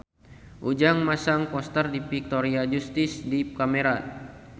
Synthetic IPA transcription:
ʔud͡ʒaŋmasaŋpɔst̪ərdipik̚t̪ɔɾiad͡ʒust̪isdikameɾa

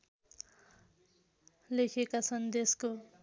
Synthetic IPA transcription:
lekʰekat͡sʰʌnd̪esko

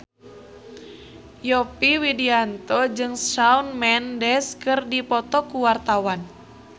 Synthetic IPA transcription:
jɔpiwidiant̪ɔd͡ʒɨŋʃaunmɛndɛskɨrdipɔt̪ɔkuwart̪awan

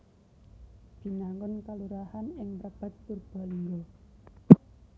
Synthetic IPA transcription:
b̥i̤naŋɡɔnkaluɾahanɪŋrab̥a̤t̪̚purb̥a̤liŋɡo

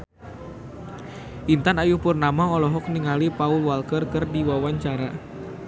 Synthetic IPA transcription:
ʔint̪anajupurnamaɔlɔɦɔk̚niŋalipaulwalkərkɨrdiwawaɲt͡ʃaɾa

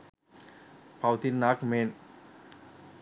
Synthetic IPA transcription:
pʰawt̪ʰinːak̚men

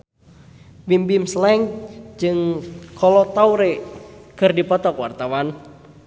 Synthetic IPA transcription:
bimbimslɛŋd͡ʒɨŋkʰɔlɔt̪auɾekərdipɔt̪ɔkwa̰rt̪awan

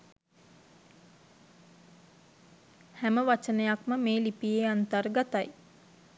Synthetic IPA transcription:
hæməʋat͡ʃənəjakməmeːlipieant̪aɾɡat̪aj

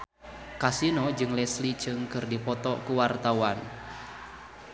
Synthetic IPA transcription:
kasinɔd͡ʒɨŋlɛslit͡ʃɨŋkɨrdipɔt̪ɔkuwart̪awan

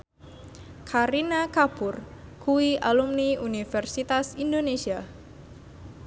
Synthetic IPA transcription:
kʰaɾinakapʊrkuiʔalumniunifɛrsit̪asindonesia

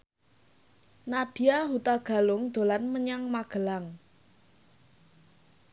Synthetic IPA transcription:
naɖ̥i̤aɦut̪aɡ̥a̤lʊŋd̪̥o̤lanməɲaŋmaɡ̥ə̤laŋ

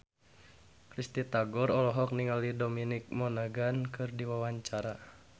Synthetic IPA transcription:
kɾist̪it̪aɡɔɾɔlɔɦɔk̚niŋalidominik̚mɔnaɡankɨrdiwawaɲt͡ʃaɾa

